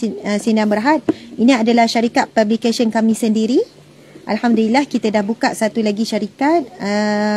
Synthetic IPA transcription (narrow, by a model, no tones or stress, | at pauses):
əsindaŋbəɾɦat̪̚inĩadalahʃaɾikat̪̚pablikasənkamĩsəndiɾi | ʔa̰lhamdulilahkit̪adahbukaʔsat̪ulaɡiʃaɾikat̪̚ə